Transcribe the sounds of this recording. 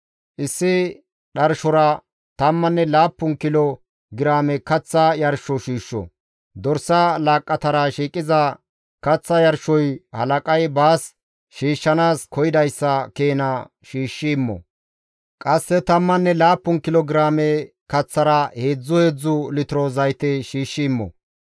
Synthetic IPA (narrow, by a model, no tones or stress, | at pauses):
ʔɪsːɪ | ɗɐɾʃɔɾɐ | t̪ɐmːɐnːɛlaːpːʊnkɪlɔ | ɡɪɾaːmɛkɐt͡sːɐjɐɾʃɔʃiːʃːɔ̰ | d̪ɔɾsɐlaːkʼːɐt̪ɐɾɐʃiːkʼɪzɐ | kɐt͡sːɐjɐɾʃːɔjhɐ̰lɐkʼɐjbaːs | ʃiːʃːɐnaːskʰɔjɪd̪ɐjsːɐkeːnɐ | ʃiːʃːɪmːɔ̰ | kʼɐsːɛt̪ɐmːɐnːɛlaːpːʊnkɪlɔɡɪɾaːmɛ | kɐt͡sːɐɾɐhe̞ːd͡zːʊhe̞ːd͡zːʊlɪt̪ɪɾozɐjt̪ɛʃiːʃːɪːmːɔ̰